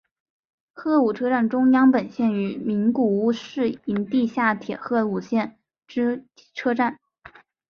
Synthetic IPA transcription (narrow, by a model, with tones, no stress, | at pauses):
xɤ˥˩u˨˩ʈ͡ʂʰɤ˥ʈ͡ʂa˥˩nʈ͡ʂʊ˥ŋjɑ˥ŋpə˨˩nɕjɛ˥˩ny˧˥mi˧˥nku˨˩u˥ʂɻ̩˥˩i˧˥nt̪i˥˧ɕja˥˩t̪ʰjɛ˨˩xɤ˥˩u˨˩ɕjɛ˥˩n | ʈ͡ʂɻ̩˥˩ | ʈ͡ʂʰɤ˥ʈ͡ʂa˥˩n